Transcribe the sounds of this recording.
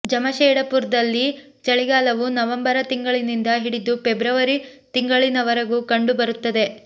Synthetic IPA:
d͡ʒɐmɐʃɛːɽɐpuːɾd̪ɐlːi | t͡ʃɐɭiɡaːlɐʋunɐʋɐmbɐɾɐt̪iŋɡɐɭinind̪ɐɦiɽid̪upebɾɐʋɐɾit̪iŋɡɐɭinɐʋɐɾɐɡukɐɳɖubɐɾut̪ːɐd̪e̞

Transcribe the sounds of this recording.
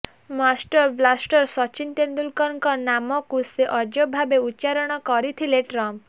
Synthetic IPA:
masʈɔɾblasʈɔɾsɔt͡ʃint̪end̪ulkɔnkɔnamɔkuseʔɔd͡ʒɔbʱabeutːt͡ʃaɾɔɽ̃ɔkɔɾit̪ʰileʈɾɔm

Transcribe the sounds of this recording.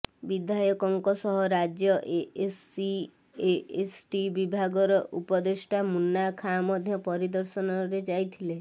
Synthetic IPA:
bid̪ʱajɔkɔŋkɔsɔɦɔɾad͡ʒjɔʔeesi | eesʈibibʱaɡɔɾɔʔupɔd̪eʃʈʰamunːakʰamɔd̪ʱjɔpɔɾid̪ɔɾsɔnɔɾed͡ʒajt̪ʰile

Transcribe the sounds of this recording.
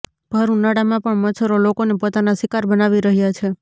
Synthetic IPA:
b̥ʱəɾunaɽamãpəɳmət͡ʃʰəɾolokonepot̪anasɪkaɾbənaʋiɾəɦjat͡ʃʰe

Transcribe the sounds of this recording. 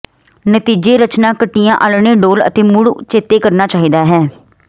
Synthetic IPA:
nət̪iːd͡ʒeːɾət͡ʃnãːkəʈːijãːʔəlɳẽːɖoːlə̰t̪eːmʊɽt͡ʃeːt̪eːkəɾnaːt͡ʃaːɦiːd̪aːɦɛː

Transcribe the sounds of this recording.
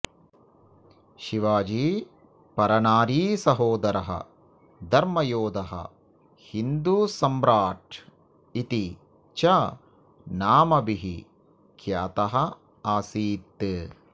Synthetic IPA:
ʃiʋaːd͡ʒiː | pɐɾɐnaːɾiːsɐɦoːd̪ɐɾɐɦɐ̰ | d̪ʱɐɾmɐjoːd̪ɐɦɐ̰ | hind̪uːsɐmɾaːʈ | it̪i | t͡ʃɐ | naːmɐbiɦḭ | kʰjaːt̪ɐɦɐ | aːsiːt̪ːɨ

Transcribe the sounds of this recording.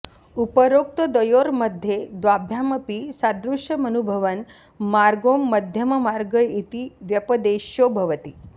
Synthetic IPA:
upəɾok̚t̪əd̪əjoɾməd̪ʱjed̪ʋabʱjaməpisad̪ɾuʂjəmənubʱəʋən | maɾɡomːəd̪ʱjəməmaɾɡəit̪iʋjəpəd̪eʃjobʱəʋət̪i

